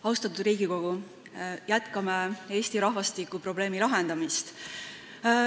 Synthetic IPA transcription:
ɑwst̪ɑt̪ːˑud̪ɾiːɡ̥iko̞ɡ̥u | jæt̪kɑmee̞ːst̪iɾɑhvɑst̪ikːˑupro̞ble̞ːmilɑɦe̞nd̪̥ɑmist̪

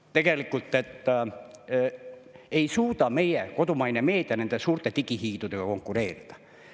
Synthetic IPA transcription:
t̪e̞ɡ̥elikːˑult̪ːˑet̪ː | eisuːt̪ɑme̞jeko̞t̪umɑjneme̞ːt̪iɑnænd̪esuːrt̪ːˑet̪ikihiːt̪ut̪ekɑko̞ŋkːˑuɾe̞ːrit̪ɑ̥

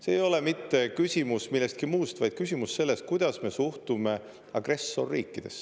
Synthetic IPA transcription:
seːjo̞lemit̪ːe̞kysʲimusmilːe̞st̪̚kimuːst̪vɑjd̪̥̚kysʲimusse̞lːe̞st̪̚kujd̪̥ɑsme̞suht̪ume | ɑɡ̥re̞sːo̞̰rːḭːkːˑid̪̥e̞̰s

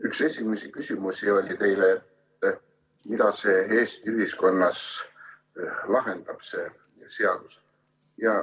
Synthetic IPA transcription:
ykse̞sʲimesikysʲimusʲio̞lʲit̪e̞jleet̪ː | mid̪̥ɑse̞e̞ːsʲt̪iyɦisko̞nːɑs | lɑɦe̞nd̪̥ɑb̥se̞ | se̞ɑd̪̥us | jɑ

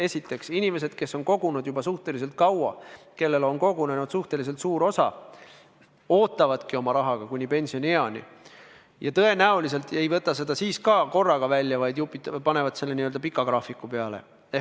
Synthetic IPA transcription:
e̞sit̪ːˑe̞ksinʲime̞se̞d̪̥̚ke̞sːo̞nko̞ɡ̥unud̪̥jubɑsuht̪e̞lis̬e̞lt̪̚kɑwɑ̰ | ke̞lːe̞lo̞nko̞ɡunenud̪suht̪e̞lis̬e̞lt̪suːɾo̞sɑ̰ | o̞ːt̪ːˑɑvɑd̪̥kio̞mɑɾɑɦɑɡ̥ɑkunʲːipe̞nʲsio̞nʲeɑnʲḭ | jɑt̪ɤ̞e̞næulis̬e̞lt̪ˑe̞jvɤt̪ːˑɑse̞d̪ɑsiːskɑko̞rːɑɡ̥ɑvælʲːjɑvɑjd̪jupːˑit̪ːpɑne̞vɑd̪se̞lːeniø̞ld̪ɑpikːˑɑɡ̥rɑfikːˑupeɑle̞̰ | e

